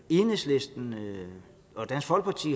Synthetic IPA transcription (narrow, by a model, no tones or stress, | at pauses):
e̝nesle̝sd̥n̩ | ɒd̥ænsfɒ̽l̰ɡ̥̚pʰɑ̈t͡sʰḭː